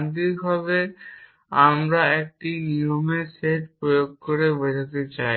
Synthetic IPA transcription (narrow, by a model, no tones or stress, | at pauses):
nd̪iɾbʱaβe | amɾaek̚ʈiniomeseʈ̚pɾojoɡ̚koɾebod͡ʒʱat̪et͡ɕaj